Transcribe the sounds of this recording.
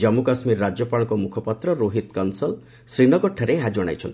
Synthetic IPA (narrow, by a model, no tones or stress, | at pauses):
d͡ʒɔmukasmiɾːad͡ʒjɔpaɽ̃ɔkɔmukʰɔpat̪ɾɔɾoɦit̪kɔnsɔl | sɾiɽɔkɔʈʰaɾeɦad͡ʒɔɽ̃a̰jt͡ʃʰɔnt̪i